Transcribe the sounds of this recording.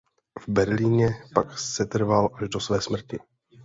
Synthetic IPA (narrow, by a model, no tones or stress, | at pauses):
vbɛɾliːɲɛpaksɛt̪r̩valʔaʒdo̞svɛːsmr̩cɪ